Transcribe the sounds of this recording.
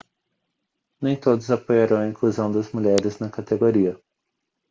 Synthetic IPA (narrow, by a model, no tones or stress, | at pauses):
nẽj̃t̪od̪ʊzapojaɾɐ̃w̃ɐĩkluzɐ̃w̃d̪ɐzmuʎɛɾɪznɐkat̪eɡoɾiɐ